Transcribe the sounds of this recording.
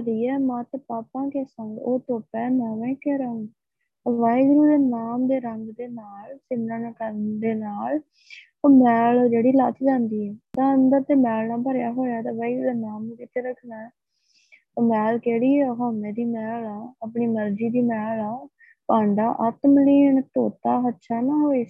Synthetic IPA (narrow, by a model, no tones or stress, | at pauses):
əɾiːɛːmãːt̪paːpãːkeːsə̃ŋɡoːt̪oːpɛːmɛ̃ːʋɛ̃ːkɛːɾaːũː | ʋaːiɡɾuːd̪eːnaːmd̪eːɾəŋɡd̪eːnaːlsɪnãːnãːkəɾnd̪eːnaːl | oːmɛːloːd͡ʒeːɽiːlat̪d͡ʒɛ̃ːnd̪iːɛːt̪ãːənd̪əɾt̪eːmɛːlnãːpəɾjaːɦoːjaːt̪ãːʋaːiɡɾuːd̪eːnaːmːkɪt̪ʰeːɾəkʰnaːɛː | t̪aːmɛːlkeːɽiːɛɦaːnẽːd̪iːmɛːlaːəp̬ɳiːməɾd͡ʒiːd̪iːmɛːlaː | pãːɳɖa̰ːʔət̪məliːɳt̪oːt̪aːɦətːʃʰaːnãːɦoːeː